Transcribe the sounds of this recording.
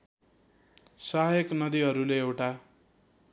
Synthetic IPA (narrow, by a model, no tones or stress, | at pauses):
saɦjʌknʌd̪iɦʌɾuleewʈa